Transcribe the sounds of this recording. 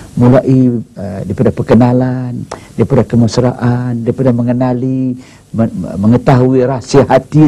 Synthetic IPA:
mulaʔidipadahpərkənalandiipadahkəmasɾaʔandiaipadahməŋənali | məŋət̪aɦuiɾasiaɦat̪i

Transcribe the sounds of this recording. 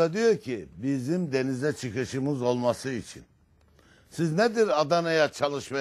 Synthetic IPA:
ad̪ijo̞ɾcʰibizimd̪e̞nizɛt͡ʃʰɯkɯʃɯmɯzo̞lˠmasɯit͡ʃʰḭn | sizned̪iɾad̪anajat͡ʃʰalˠɯʃma

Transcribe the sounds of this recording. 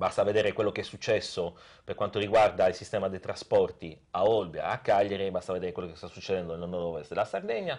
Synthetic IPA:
bast̪aved̪eːɾekwelːokeɛsːut͡ʃːɛsːo | perkwant̪oɾiɡward̪ailsist̪ɛːmad̪ejt̪ɾaspɔrt̪iaɔlbja̰akːaʎːeɾibast̪aved̪eːɾekwelːokest̪asːut͡ʃːed̪ɛnd̪onenɔd̪ɔvest̪d̪elasard̪ɛɲːa

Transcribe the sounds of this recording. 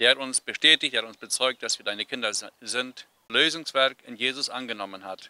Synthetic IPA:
d̥eːɐhatʊnsb̥əʃtɛːtɪçteːhatʊnsb̥ət͡sɔʏk̚t̚d̥asv̥iːɐdaɪnəkʰɪndɐzɪnt | løːzʊŋsv̥ɛɐkɪnjeːzʊsʔa̰nɡənɔmənhat

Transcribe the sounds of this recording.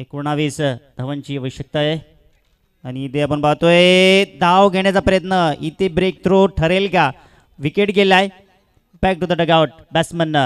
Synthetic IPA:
ekuɳ̃aʋiːsd̪ʱəʋənt͡ɕiːəʋəɕjək̚t̪aje | añiit̪eapəɳbaɦt̪oed̪ʱaʋɡʱeɳ̃jat͡sapɾəjət̪nəit̪ebɾek̚t̪ɾoʈʰəɾelka | ʋikeʈɡʱelaj | bɛk̚ʈud̪əɖəɡaʋʈ̚ | bɛsmənːə

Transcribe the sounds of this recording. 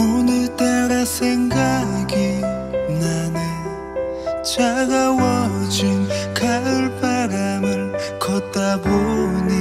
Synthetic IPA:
onɯt̪aɾasʰeŋɡaɡi | nane | t͡ɕaɡawʌd͡ʑinkauɭpaɾamɯɭ | kʌt̚t͈aboni

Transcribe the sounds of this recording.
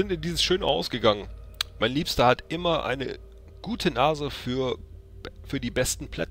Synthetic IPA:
zɪntɪndiːzəsʃøːnəʔa̰ʊsɡ̥əɡaŋənmaɪnliːpstɐhatʔɪmɐʔa̰ɪnə̰ | ɡ̥uːtʰənaːzəfyːɐ | fyːɐdiːbɛstn̩pʰl̥ɛ̰t͡s

